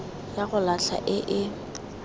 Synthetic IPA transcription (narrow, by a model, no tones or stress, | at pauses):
jaɣʊlaɬʰa̰ʔɪʔɪ